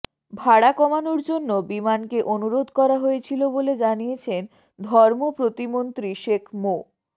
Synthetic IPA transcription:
bʱaɽakɔmanoɾd͡ʑonːobimankeʔonuɾod̪ʱkɔɾaɦoet͡ɕʰiloboled͡ʑaniet͡ɕʰen | d̪ʱɔɾmopɾot̪imont̪ɾiʃekʰmo

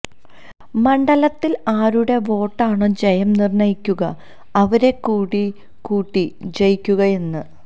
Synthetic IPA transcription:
mɐɳɖɐlɐt̪ːilaːɾuɽe̞ʋo̞ːʈːaːɳoːd͡ʑɐjɐmnirɳɐjikʲːuɣɐ | ɐʋɐɾe̞kuːɽi | kuːʈːid͡ʑejikʲːuɣɐe̞nːɨ

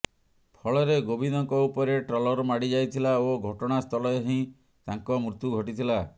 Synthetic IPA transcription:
pʰɔɭɔɾeɡobʱinɔŋkɔupɔɾeʈɾɔlɔɾmaɽid͡ʒajt̪ʰilaoɡʱɔʈɔɽ̃ast̪ʰɔlɔeɦĩ | t̪aŋkɔmɾut̪juɡʱɔʈit̪ʰila

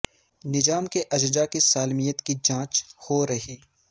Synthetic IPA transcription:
nɪd͡ʒaːmkeʔɐd͡ʒd͡ʒakisaːlmijət̪kid͡ʒãːt͡ʃhoɾɐɦiː

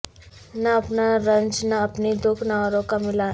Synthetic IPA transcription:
naːpnaɾənd͡znaːpnid̪okʰnaʋaɾokamila

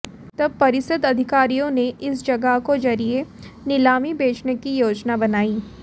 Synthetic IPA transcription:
t̪ɐb̚pɐɾɪsəd̪ɐd̪ʱɪkaːɾijõneʔɪsd͡ʒɐɡəɦkod͡ʒɐɾienɪlaːmibeːt͡ʃnekijoːd͡ʒnabɐnaːiː

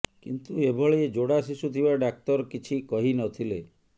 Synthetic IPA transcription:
kint̪uebʱɔɭeed͡ʒoɽasisut̪ʰibaɖak̚t̪ɔɾkit͡ʃʰikɔɦinɔt̪ʰile

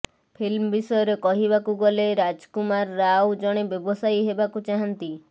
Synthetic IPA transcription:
pʰilmɔbisɔjɔɾekɔɦibakuɡɔleɾad͡ʒkumaɾːawd͡ʒɔɽ̃ebjɔbɔsajɦebakut͡ʃaɦant̪i

